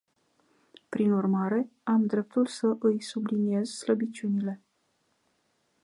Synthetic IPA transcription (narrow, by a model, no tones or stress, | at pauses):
pɾinurmaɾe̞amd̪ɾe̞p̚t̪ulsəʔɨjsublinie̞zsləbit͡ʃunile̞